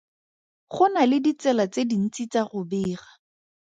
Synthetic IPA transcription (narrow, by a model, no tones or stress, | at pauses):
χʊnalɪdit͡sɛlat͡sedin̩t͡sit͡saχʊbɪːχa